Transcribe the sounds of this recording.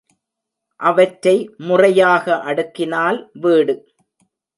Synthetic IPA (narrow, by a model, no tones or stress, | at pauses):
ʔɐʋɐʈɾɐɪmʊrɐjaːɣɐʔɐɽɯkːɪnaːlʋeːɽɯ